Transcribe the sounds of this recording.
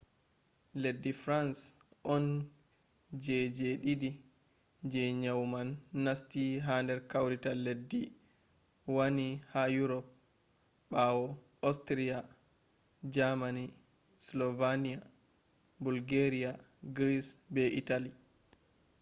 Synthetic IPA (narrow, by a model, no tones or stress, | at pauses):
ledːifɾans | ʔɔn | d͡ʒɛd͡ʒeɗiɗi | d͡ʒɛɲawmanːastiɦandɛɾkawɾitaledːi | wanihajuɾɔp̚ | ɓawɔ | astɾia | d͡ʒamani | slɔvanija | bulɡeɾia | ɡɾisbɛʔitali